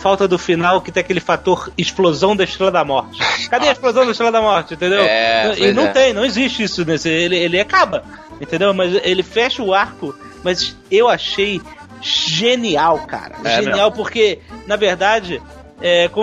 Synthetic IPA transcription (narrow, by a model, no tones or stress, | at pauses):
fawt̪ɐd̪ʊfinawkɪt̪ẽj̃akelɪfat̪oɾɪʃplozɐ̃w̃d̪ɐɪʃt̪ɾelɐd̪ɐmɔɾt͡ʃɪ̥kad̪ejɐɪʃplozɐ̃w̃d̪ɐɪʃt̪ɾelɐd̪ɐmɔɾt͡ʃɪẽt̪̬ẽnd̪ewɛɐ̃ɪnɐ̃w̃t̪ẽj̃nɐ̃w̃ɪziʃt͡ʃɪisʊnesɪelɪelɪakabɐ | ẽnt̪ẽnd̪ewmɐzelɪfɛʃɐʊaɾkʊ | mɐs | ewaʃej | ʒeniawka̰ɾɐ̰ʒeniawpʊχkenɐveɾd̪ad͡ʒɪ | ɛkõ